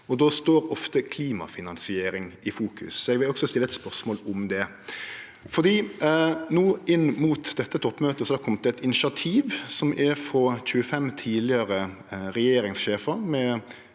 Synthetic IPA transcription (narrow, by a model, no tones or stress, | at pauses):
ɔd̪oːst̪oːɾɔft̪əkʰliːmɑ̰fɪnɑnsɪeːɾɪŋʔɪfuːkʰʉ̰sɔɛɡʋɪlɔksɔst̪ɪlːəɛt̪spœʁsmoːlʊmd̪ɛ | fɔd̪iː | nuːɪnːmuːt̪d̪ɛt̪ːət̪ʰɔpːmøːt̪əsɔɑkʰɔmt̪ɛɛt̪ɪnɪʃɪɑt̪ʰiːʋsɔmʔɛfɾɔc͡çʉəfɛmt̪ʰiːlɪəɾə | ɾɛjeːɾɪŋsʃeːfəmɛ